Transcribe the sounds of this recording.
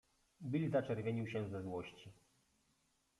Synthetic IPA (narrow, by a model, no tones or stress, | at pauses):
bʲilʲzat͡ʂɛɾvʲeɲiwɕɛ̃zɛzwɔɕt͡ɕi